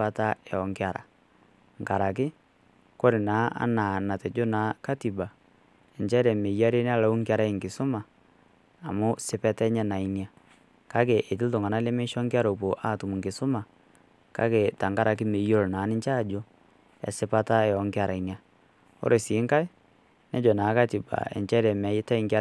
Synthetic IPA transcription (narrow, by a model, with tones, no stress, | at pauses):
a˦ta˦ɛ˨ɔ˨ŋkɪ˦a˨ɾa̰˨ | ŋ˨ka˨ɾa˨k̬ɪ˦ | ko˦ɾi˨naː˨˦a̰˦naː˨na˨tɛ˨d͡ʒʊ˦naː˨˦ka˦ti˨ba˨ | ɛ˨nt͡ʃɛ˦ɾɛ˨me˨ja˦ɾe˦n˦a˦la˨u˦ŋ˦kɪ˦a˦ɾa˦˨ŋ˨kɪ˨sʊ˦maː˨ | mʊ˦sɪ˦pɛ˦tɛ˦ɲɛ˦na˨i˦nja˦ | ka˦k̬e˨ʔe˨t̬ɪ˦ltʊ˨ŋa˨na˦lɛ˦me˦ʃɔ˦ŋkɪ˦a˦ɾo˨po˨ʔa˦˨tu˨mu˨ŋkɪ˨sʊ˦ma˨ | ka̰˦ke˨ta˨ŋɡa˦ɾa˨k̬ɪ˦me˨jo˦˨lnaː˨˦nɪ˦ɲt͡ʃa˦˨d͡ʒo˦ | ɛ̰˨sɪ˦pa˦ta˦jɔ˨˦ŋkɪ˦a˨ɾa˨i˨nja˦ | ɔ̰˦ɾʔe˨siː˨˦ŋka˦ɪ˦ | nɛ˦d͡ʒɔ˨naː˨˦ka˦ti˨ba̰˨ɛ̰˨ɲt͡ʃɛ˦ɾɛ˨mɛ˨˦jɪ˦ta˦i˨ŋka˦